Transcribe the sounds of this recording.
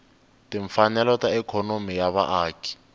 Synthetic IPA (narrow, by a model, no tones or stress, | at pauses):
tʼɪɱ̩fanɛlɔtaɛkʰɔnomijaβa̰ʔaːkʼi̥